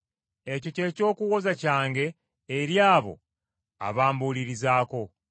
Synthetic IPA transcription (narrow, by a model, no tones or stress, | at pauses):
e̞co̞ce̞ːco̞ːkuɣo̞zacaːŋɡe̞ː | ɾjaːβo̞̰ | a̰βaːmbuːliɾizaːko̞